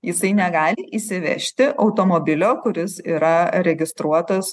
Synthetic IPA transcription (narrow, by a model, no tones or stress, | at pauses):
jɪsɐɪnʲɛɡɑːlʲɪʔisʲɪʋʲɛ̰ʃʲt̪ʲɪʔɐʊt̪oːmoːbʲɪlʲoːkʊɾʲɪsiːɾɐɾʲɛɡʲɪst̪ɾuɔt̪ɐs